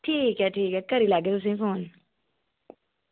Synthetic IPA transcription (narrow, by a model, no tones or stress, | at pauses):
ʈʰiːkɦɛʈʰiːkɦɛkəɾilaːɡet̪us̬ĩːfoːn